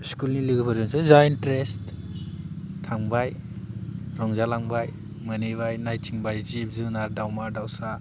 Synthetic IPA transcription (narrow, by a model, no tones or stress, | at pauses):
skulniliɡɯbɯɾɯŋsɯzajntɾest | tʰaŋbaj | ɾɔŋzalaŋbaj | mɯneβajnajt͡ʃʰiŋbajzip̚zunaɾdawmaɾdawsa